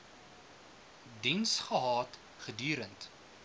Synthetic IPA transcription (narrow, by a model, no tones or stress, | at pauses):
dinsχəɦɑːt | χədyːɾənt